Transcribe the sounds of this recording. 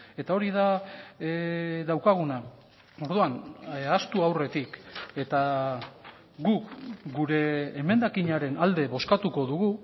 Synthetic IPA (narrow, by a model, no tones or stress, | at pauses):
e̞t̪ao̞ɾið̞a | ðawkaɣ̞una | o̞ɾðuanast̪uawre̞t̪ike̞t̪a | ɡukɡuɾe̞ːme̞nd̪akiɲaɾe̞nald̪e̞βo̞skat̪uko̞ðuɣu